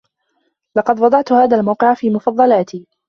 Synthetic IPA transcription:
lɑqɑd̪wɑd̪ˤɑʕt̪haːðaːlmawqɪʕafiːmʊfɑðˤːɑlaːt̪iː

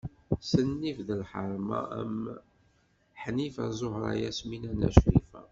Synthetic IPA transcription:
sənːifðəlħəɾˤmɑ̰æ̰m | ħnifæzˤohɾˤɑ̰jæsminænæ̰ʃɾifæ̰

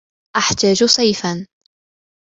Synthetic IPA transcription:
ʔaħt̪aːd͡ʒsˤɑjfan

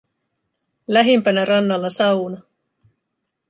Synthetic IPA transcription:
læɦempænærɑnːɑlːɑsɑwnɑ

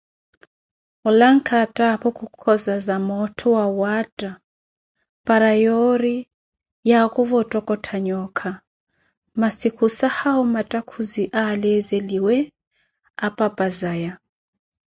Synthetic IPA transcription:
ulaŋ̩kʰatʼapʰɔkʰukʰɔzazamɔtʰɔwawatʼa | pʼaɾajɔɾi | jakʼuvɔtʼɔkʼɔtʰaɲɔkʰa | masikʰusahaɔmatʼakʰuziʔalɛzeliwɛ | apʼapʼazaja

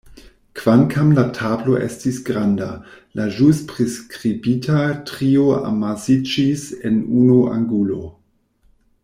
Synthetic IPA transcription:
kv̥ankʰamlatʰablo̞ʔḛstisɡɾandalaʒuspʁeskʁibitʰatʁioa̰masid͡ʒisenunua̰ŋɡulo̞

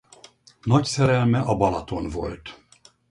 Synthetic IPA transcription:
nɒcsɛɾɛlmɛʔɒbɒlɒt̪o̞nvo̞̰lt̪

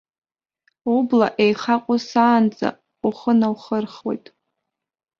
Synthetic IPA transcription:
ublaʔejχaqʷʼʊsaːnd͡zʼa̰ | uχənawχərχwo̰jtʼ

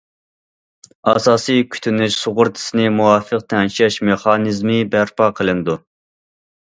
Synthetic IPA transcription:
ɑ̰sɑːsɨjkʲʰy̥t̪ʰynɪʃsoʁʊɾt̪ʰɪ̥sɪnɪmuɑːfəq̚t̪ʰɛnʃɛʃmeχɑnɨzmɨbæɾpʰɑːqʰəlˠɨnd̪u

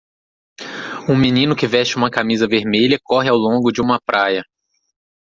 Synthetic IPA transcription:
ũmĩnĩnʊkɪvɛʃt͡ʃɪũmɐkamizɐveɾmeʎɐkɔɦɪawlõɡʊd͡ʒɪũmɐpɾʔajɐ

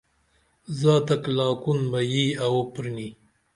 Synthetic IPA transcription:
zɑːt̪aklɑːkunmajiawopɾni

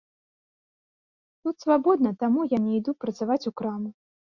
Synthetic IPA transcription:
t̪ut̪svabɔd̪̚nɐt̪amujanʲɛid̪upɾɐt̪savat͡sʲukɾamu

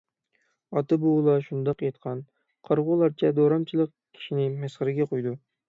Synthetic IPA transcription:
ɑt̪ɨbulˠɑʃund̪ɑqjet̪̚qʰɑn | qʰɑɾʁʊlˠɑɾt͡ʃʰɛd̪oɾɑmt͡ʃʰilˠəq | kʲʰi̥ʃinɪmæsχəɾɪɡʲɛqʰojd̪u

